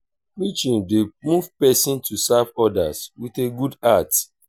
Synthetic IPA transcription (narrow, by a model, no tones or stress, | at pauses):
mit͡ʃĩndemuvpɛsĩntʰusavɔda̰swiθeɡudat